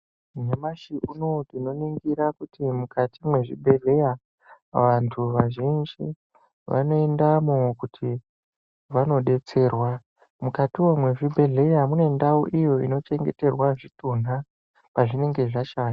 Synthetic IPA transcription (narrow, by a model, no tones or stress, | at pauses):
ɲemaʃiʔuno̞dino̞niŋɡiɾakutimukatʰimwe̞ʐibʱe̞ɮe̞ja | ʋantʰuʋaʒend͡ʒi | ʋa̰no̞endamukutʰi | ʋano̞ɗe̞t͡se̞ːrwa | mukatiwomwe̞ʐibʱe̞ɮe̞jamune̞ndaṵʔijo̞ḭno̞t͡ʃe̞ŋɡe̞te̞rwaʐitun̤a | paʐine̞ŋɡe̞ʐat͡ʃaːna